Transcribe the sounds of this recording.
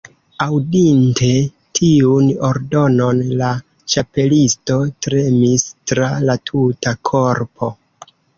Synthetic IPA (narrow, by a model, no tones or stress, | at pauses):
awdinte̞ | tʰiuno̞ɾdo̞no̞nla | t͡ʃape̞listo̞tɾe̞mistɾalatʰutakʰo̞ɾpʰo̞